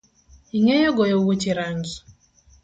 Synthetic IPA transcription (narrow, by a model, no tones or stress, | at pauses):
iŋejɔɡɔjɔwot͡ʃiɾaŋɡi